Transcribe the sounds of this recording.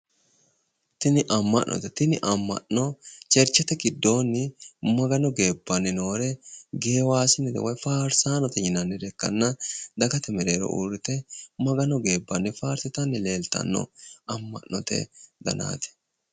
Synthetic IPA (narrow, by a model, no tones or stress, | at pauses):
t̪ɪnɪʔɐmːɐʔnːʔɔ̰t̪ɛt̪ɪnɪʔɐmːɐ̰ʔnɔt͡ʃɛɾt͡ʃːɛt̪ɛɡɪd̪ːo̞ːnːɪmɐɡɐnɔɡe̞ːbːɐnːɪno̞ːɾɛɡe̞ːwaːsɪnːɪd̪ɛ̰wɔjfaːɾsaːnɔt̪ɛjɪnɐnːɪd̪ɛkːɐ̰nːɐd̪ɐɡɐt̪ɛmɛɾe̞ːɾɔ̰ʔṵːɾɪt̪ɛmɐɡɐnɔɡe̞ːbːɐnːɪfaːɾsɪt̪ɐnːɪle̞ːlt̪ɐ̰nːɔ̰ɐmːɐ̰ʔnɔ̰t̪ɛ̰d̪ɐ̰na̰ːt̪ɛ̥